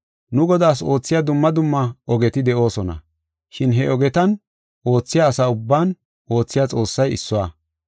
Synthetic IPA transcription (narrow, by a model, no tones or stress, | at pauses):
nʊɡɔd̪aːs̬o̞ːt͡sːɪjaːd̪ʊmːɐd̪ʊmːɐʔɔɡɛt̪ɪd̪ɛʔo̞ːsɔnɐ̰ | ʃɪnɦɛɔɡɛt̪ɐn | ʔo̞ːt͡sːɪjaːsaʊbːaːn | ʔo̞ːt͡sːɪjaːt͡sʼo̞ːsːɐjɪsːʊwaː